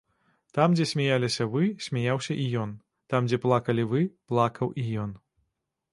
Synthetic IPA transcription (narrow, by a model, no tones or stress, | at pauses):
t̪amd͡zʲɛsʲmʲajalʲisʲɐvɨsʲmʲajawsʲɐʔijɔn | t̪amd͡zʲɛplˠakɐlʲivɨplˠakɐwʔijɔn